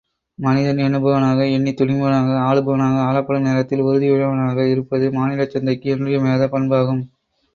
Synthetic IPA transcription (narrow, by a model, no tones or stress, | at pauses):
mɐnɪðɐnɛnɯbɐʋɐnaːɣɐɛɳːit̪ʊɽɪmɐnaːɣɐaːɭɯbɐʋɐnaːɣɐaːɭɐpːɐɽɯmneːɾɐt̪ːɪlɔɾɯðɪʊɻɐʋɐnaːɣɐɪɾɯpːɐðɯmaːnɪlɐt͡ʃːɐnd̪ɐɪkːɯɛndrɪjɐmeːðɐpːɐɳbaːɣɯm